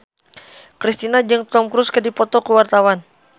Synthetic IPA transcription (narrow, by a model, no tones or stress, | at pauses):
kɾist̪inad͡ʒɨŋt̪ɔmkɾuskədipɔt̪ɔkəwart̪awan